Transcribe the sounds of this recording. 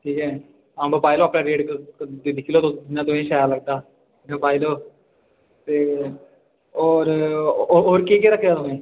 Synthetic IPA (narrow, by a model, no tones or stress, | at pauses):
ʈʰiːkɛː | ãːmbəpaːiloːapnaːɾeːɖkːd̪id̪ɪkʰːiːloːt̪onãːt̪ʊmẽːʃaːjaːləɡ̚d̪aː | ãpaːiloː | t̪eː | ɔːɾ | ɦoːɾkeːkeːɾəkʰːd͡ʒaːt̪ʊmẽː